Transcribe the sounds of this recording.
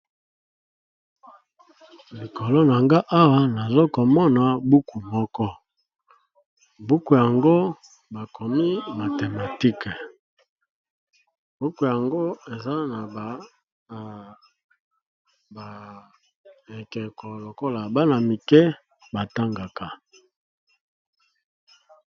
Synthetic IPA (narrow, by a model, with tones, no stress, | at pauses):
li˨ko˨lo˦na˨ŋɡa˦ʔa˦wa˦na˨zo˦ko˨mɔ˦na˨bu˦ku˨mɔ˦kɔ˦ | bu˦ku˨ja˨ŋɡo˦ | ba˨kʰo˨mi˦ma˨te˨ma˨ti˦kɛ˨ | b̥u˦ku˨ja˨ŋɡo˦e˨za˦na˨b | b | e˨kɛ˨ko˨lo˨ko˦la˨ba˦na˨mi˨kɛ˦ | ba˨ta˦ŋɡa˨ka˨